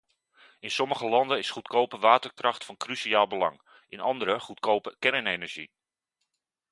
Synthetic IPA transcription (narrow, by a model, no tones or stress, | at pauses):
ɪnsɔməχəlɑndənɪsχutkowpəʋaːtəɹkrɑχtfɑnkrysiaːlˠbəlɑ̰ŋ | ʔɪnɑndəɾəχutkowpəkɛɹnejnəɹʒḭ